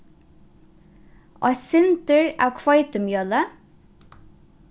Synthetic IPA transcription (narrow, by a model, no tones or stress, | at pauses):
ɔ̰sɪnt̪əɹa̰ːwkʰvɔjt̪əmjœːlə